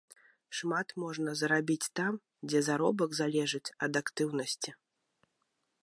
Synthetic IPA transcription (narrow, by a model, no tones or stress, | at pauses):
ʂmat̪mɔʐnɐzɾabʲit͡sʲt̪am | d͡zʲɛzaɾɔbɐɡzalʲɛʐɨt͡sʲɐd̪akt̪ɨwnɐsʲt͡sʲi